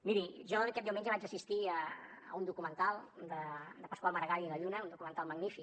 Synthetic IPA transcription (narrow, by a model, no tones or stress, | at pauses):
miɾiʒɔkɛt̚d̪ewmɛɲd͡ʒəβat͡ʃəsist̪iəəund̪ukumənt̪alˠd̪əd̪əpəskwalməɾɣajiləʎunəund̪ukumənt̪alˠməɡnifik